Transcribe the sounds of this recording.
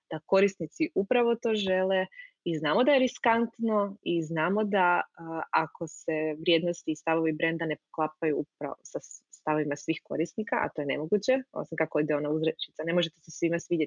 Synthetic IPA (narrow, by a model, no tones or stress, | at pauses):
d̪̥ako̞ɾist̪nit̪siʔupɾaʋo̞t̪o̞ːʒe̞leiznaːmod̪ajeɾiskant̪no̞iznaːmo̞d̪aakʰo̞se̞ʋɾje̞d̪nost̪iːst̪aʋo̞ʋibɾe̞nd̪ane̞poklˠapajuup̚ɾa̰osast̪aʋoʋimasʋixko̞̰ɾist̪nikaʔa̰t̪o̞je̞ne̞mo̞ɡut͡ɕeo̰simkakooid̪eo̞nauzɾet͡ʃit̪sane̞mo̞ʒe̞t̪esesʋimasʋid̪jet̪i